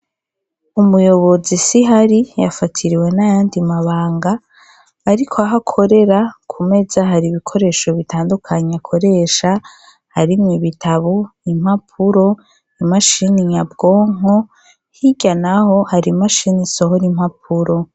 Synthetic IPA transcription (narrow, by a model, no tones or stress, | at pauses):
umujo̞βo̞zisiɦaɾija̰fatʰiɾiwe̞najaːndimaβaːŋɡaː | ɾikʰoaɦakʰo̞ɾe̞ɾakʰume̞zaɦaɾiβikʰo̞ɾe̞ːʃo̞βitʰaːndukʰaɲakʰo̞ɾe̞ʃa | haɾimɲiβitʰaβoim̥hapʰuɾo̞ | imaʃiniɲab̚ɡ̥o̞ːŋo̞ | hiɟanaho̞haɾimaʃiniso̞ɦoɾim̥hap̚ʰuɾo̞